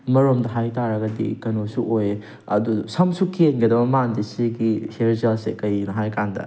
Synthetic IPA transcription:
mɐɾomdɐɦajtaɾɐɡɐdḭkɐnosuʔoj | ɐ̰dusɐmsukʰenɡɐdɐbɐmandisiɡiheɾd͡ʒɐlsekɐjnɐɦajkandɐ̰

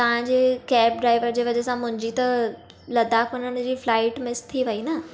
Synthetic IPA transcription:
t̪ɐʋ̤ãd͡ʑekɛːp̚ɖɾaːiʋəɾd͡ʑeːʋɐd͡ʑɛsãmʊ̃ɦɲd͡ʑit̪ɐ | lɐd̪akonəɽ̃d͡ʑiːflaːɪʈmɪst̪ʰiʋəinɐ

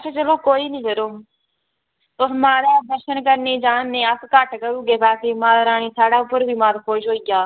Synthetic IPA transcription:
t͡ʃʰeːt͡ʃəloːkoːiːnĩːkəɾoː | t̪ʊsmãːɾaːd̪əɾʃənkəɾneːd͡ʒaːnːẽːəkkəʈkəɾuːɡeːpɛːseːmãːd̪aːɾaːɽ̃iːsaːɖaːʊpːəɾʋiːmãːt̪aːkoːʃɦoːijaː

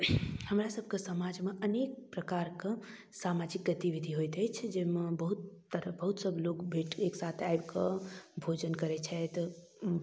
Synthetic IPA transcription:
həmɾasəb̚ʱkesəmad͡ʒmeʔənek̚pɾəkaɾkə̃ | samad͡ʒik̚ɡət̪iʋid̪ʱiɦojt̪ɛt͡ʃʰd͡ʒemebəɦut̪ːəɾəbəɦut̪səɡlokbʱeʈeksat̪ʰajbkəbʱod͡ʒənkəɾɛt͡ʃʰɛt̪

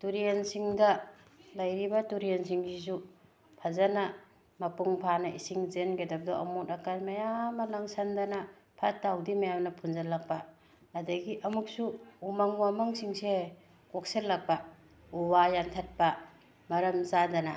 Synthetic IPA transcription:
tuɾiensiŋdɐ | lɐjɾibɐtuɾiensiŋsizu | pʰɐzanɐ | mɐpuŋpʰanɐʔisiŋzenɡedɐp̚dɔʔɐ̰mutɐkaɾmɐjamɐlaŋsandanɐ | pʰɐtːawdimɐjamnɐpʰunzalɐk̚paː | dɐɡiʔɐmuk̚suːmaŋuwamɐŋsiŋse | kok̚selːɐk̚pa | uwajantʰɐt̚pɐ | mɐɾɐmzadɐna̰

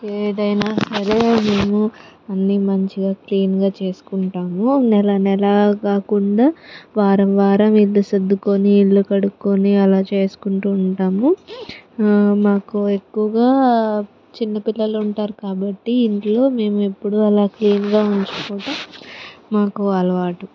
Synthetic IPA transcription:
eːɖɐjnaːsɐɾe̞me̞ːmu | ɐnːimɐɲt͡ʃiɡaːkliːnɡaːt͡ʃe̞ːsu̥kuɳʈaːmunɛlɐnɛlɐkaːkuɳɖaːʋaːɾɐmʋaːɾɐmilːused̪ːukoniːlːukɐɽukːoniɐlaːt͡ʃe̞ːsu̥kuɳʈuːɳʈaːmu | maːkue̞kːuʋɐɡaː | t͡ʃinːɐpilːɐluɳʈaːɾukaːbɐʈːiːɳʈlo̞ːme̞ːmue̞pːuɽuɐlaːkliːnɡaːuɲt͡ʃu̥kuːʈɐmː | aːkuɐlɐʋaːʈu

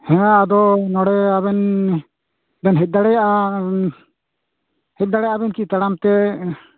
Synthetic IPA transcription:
hɛ̃jaːd̪ɔnɔɽɛaβɛn | bɛnɦɛt̪̚ˀd̪aɽɛjaʔa | hɛt̚d̪aɽɛjaʔabɛnkit̪aɽamt̪ɛ

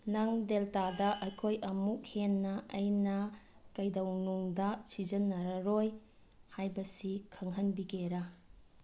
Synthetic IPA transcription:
nɐŋdeltadɐʔɐjkʰojʔɐmuk̚henːɐɐjnɐkɐjdɐwnuŋdɐsizɐnːɐɾɐɾoj | hajbɐsikʰɐŋɦɐnbiɡeɾɐ

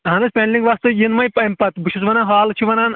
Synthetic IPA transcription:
ɦɐnɨspʲeɳɖliŋɡʋɐst̪ɨjinmɐjpɐimpɐt̪bɨʃʰusʋɐnanɦaːlt͡ʃʰiʋɐnan

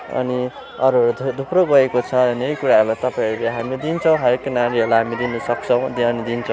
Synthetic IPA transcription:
ʌ̰ni | ʌɾuʌɾud̪ʱuproɡʌekot͡sʰʌnejkuɾaɦʌɾulajt̪ʌpaj̃ʌɾuleɦamid̪int͡sʰʌw̃ɦʌɾjekːenaɾiɦʌlaɦamid̪inʌsʌkt͡sʰʌw̃d̪iʌnid̪int͡sʰʌ̃w̃

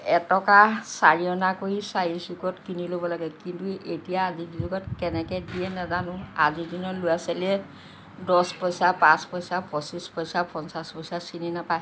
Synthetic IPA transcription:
ɛtɔkasaɹijɔnakoisajisikɔtkinilobɔlaɡɛkintuʔetijaːzidizɔɡɔtkɛnɛkɛdiɛnɛzanʊazidinɔlujasalɛ | dɔspɔsapãspɔsapɔsispɔsapɔnsaspɔsasininapa

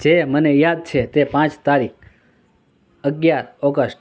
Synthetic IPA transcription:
d͡ʒemənejad̪̚t͡ʃʰet̪epãt͡ʃt̪aɾik̚ʰ | əɡjaɾɔɡəsʈ

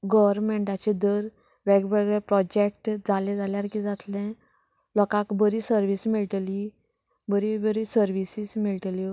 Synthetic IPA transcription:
ɡəʋɾmeɳʈat͡ɕed̪əɾ | ʋeɡʋɛɡɭẽpɾɔd͡ʑek̚ʈd͡zalẽd͡zaljaɾkid͡zat̪lɛ̃ | lɔkãkbəɾisəɾʋismiɭʈ̪li | bəɾibəɾisəɾʋisismiɭʈ̪li

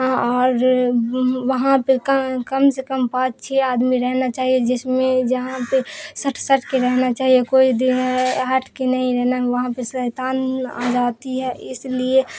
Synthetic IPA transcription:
ɔːɾ | ʋəɦãpekəkəmsekəmpãːt͡ʃt͡ʃʰeaːd̪miɾɛɦnat͡ʃaːɦied͡ʒɪsmẽd͡ʒəɦãpesəʈʰsəʈʰkeɾɛɦnat͡ʃaːɦiekoːid̪iaʈʰkenəɦĩɾɛɦnaɦeʋəɦãpesət̪aːna̰d͡ʒaːt̪iɦɛʔɪslie

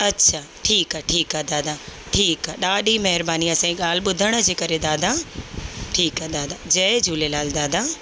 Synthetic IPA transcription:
ɐtːɕʰaː | ʈʰiːkaʈʰiːkɦad̪aːd̪a | ʈʰiːkaɗaːɗimɐɦɪɾbaːniɐsãːiɠaːl̤ɪɓʊd̪ʱəɽ̃ə̆d͡ʑeːkɐɾed̪aːd̪ʱa | ʈʰiːkɦad̪aːd̪ad͡ʑɐɪd͡ʑʱuːlelaːld̪aːd̪a

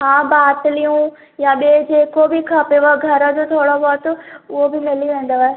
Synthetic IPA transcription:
ɦãːbaːt̪lijũ | jaɓeːd͡ʑeːkobʱikʰapeʋoɡʱɐɾəd͡ʑot̪ʰoːɽobɔːt̪ʊɦobʱɪmɪliʋẽːn̆d̪oaɦeː

